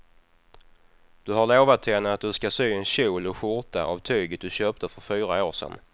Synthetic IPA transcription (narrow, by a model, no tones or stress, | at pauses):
d̪̥ɵɦaɾɭoːvat̪ʰːɛnəat̪̚d̪ɵskasyːɛnɕuːlɔɧʊɾt̪ʰa̰ʔa̰vt̪ʰyːɡət̪̚d̪ɵɕøːp̚t̪əfœɾfyːɾaoːʂɛ̰n